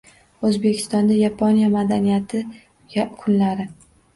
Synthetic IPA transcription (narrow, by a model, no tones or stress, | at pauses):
ɵzbe̞kʲʰɪ̥st̪ɒnd̪ajapʰonjamad̪anijat̪ʰɪ | kʰʊnlaɾɪ